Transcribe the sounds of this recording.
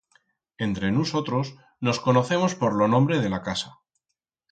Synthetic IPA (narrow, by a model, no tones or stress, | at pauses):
e̞nt̪ɾe̞nuso̞t̪ɾo̞s | no̞sko̞no̞θe̞mo̞spo̞ɾlo̞nõ̞mbɾe̞ð̞e̞lakasa